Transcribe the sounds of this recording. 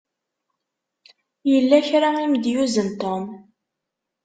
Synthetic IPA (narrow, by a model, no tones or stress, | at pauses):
jəlːæçɾaimd̪juzənt̪om